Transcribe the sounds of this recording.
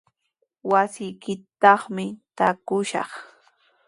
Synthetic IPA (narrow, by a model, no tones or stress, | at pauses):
wasɪjkɪt̪ːɑχmɪt̪akʊʃɑ̰χ